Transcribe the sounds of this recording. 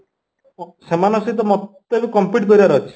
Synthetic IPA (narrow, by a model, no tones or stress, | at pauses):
semanɔsit̪̬ɔmɔt̪ː | ekukɔmpiʈ̚k̪ɔɾibaɾɔɦt͡ʃʰi̥